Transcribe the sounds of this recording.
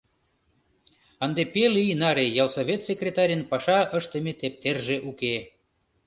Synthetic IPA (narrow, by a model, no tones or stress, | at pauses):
ənd̪epelinɑɾʲejɑlˠsovʲet̪sʲekrʲet̪ɑɾʲənpɑʃɑʔəʃt̪ə̆mʲet̪ep̚t̪erʒeʔuke